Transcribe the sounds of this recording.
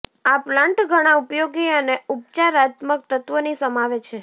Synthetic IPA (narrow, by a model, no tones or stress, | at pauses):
aplãɳʈɡʱəɽ̃ãupjoɡiəneup̚t͡ʃaɾat̪mək̚t̪ət̪ʋənisəmaʋet͡ʃʰe